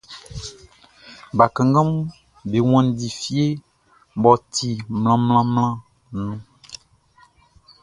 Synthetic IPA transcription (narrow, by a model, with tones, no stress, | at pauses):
ba˨kã˨ŋ˦ɡã˦m˦ | be˨w̃ɔ̃˦n˨˦di˨fi˦e˦ | bɔ˨t̪i˨ml̃ã˦ml̃ã˦mlã˦ | nũ˦